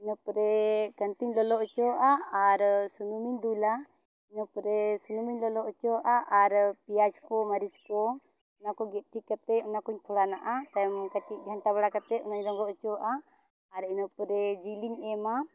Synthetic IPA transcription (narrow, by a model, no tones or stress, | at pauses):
inɔpɾɛkənt̪iɲlɔlɔʔɔt͡ʃɔʔaaɾsunumiɲd̪ula | inɔpɾɛsunumiɲlɔlɔʔɔt͡ʃɔʔaʔaɾpijad͡ʒkɔmaɾid͡ʒkɔ | unakɔɡɛt̪̚ˀʈʰikːat̪ɛɔnakuɲpʰɔɽanaʔat̪ajmkat͡ʃiʔ̪̚ɡʱanʈabaɽakat̪ɛunaɲɾɔŋɡɔʔɔt͡ʃɔʔaː | ɾinɔpɾɛd͡ʒiliɲɛma